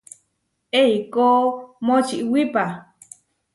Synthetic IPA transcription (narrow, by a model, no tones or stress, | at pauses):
eikoːmot͡ʃiʔwipa